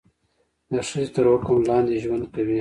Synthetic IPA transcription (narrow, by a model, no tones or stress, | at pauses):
d̪əʂəzet̪əɾwakʊmlɑnd̪eʒwand̪kawi